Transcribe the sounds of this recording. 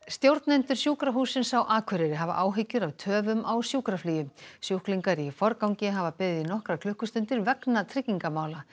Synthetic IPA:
st̪jowɾt̪nɛnt̪ʏɾ̥sjuːkɾaɦuːsɪnsawʔaːkʰvœɾɪɾɪɦava̰ʔaːwɦɪcːʏɾawt̪ʰœːvʏmawsjuːkɾafliːjʏmsjuhkliŋkaɾifɔɾkawɲcɪɦavapɪððinɔhkɾakʰlʏhkʏst̪ʏnt̪ɪɾvɛknat̪ʰɾɪcːiŋkamaːwla

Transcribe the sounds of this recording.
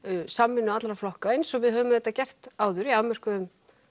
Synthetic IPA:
samːɪnːʏat̪lɾaflɔhkaejnsɔɣvɪðɦœːvʏmðɛt̪ːacɛr̥t̪aːwðʏɾiawmɛr̥kʏʏm

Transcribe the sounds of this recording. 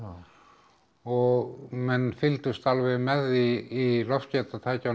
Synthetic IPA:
ɔɣmɛnːfɪlt̪ʏst̪alvɛɣmɛðiːlɔfcɛt̪at̪ʰaːjca

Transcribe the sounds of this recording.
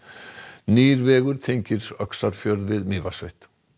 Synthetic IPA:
niːɾvɛːɣʏɾ̥t̪ʰejɲcɪɾœksaɾ̥fjœɾðvɪðmiːvasvḛjht̪

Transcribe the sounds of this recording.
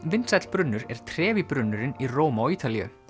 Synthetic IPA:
vɪnsɛt̪l̥pɾʏnːʏɾɛɾ̥t̪ʰɾɛːvipɾʏnːʏɾɪniroːwmaɔiːt̪alijʏ̰

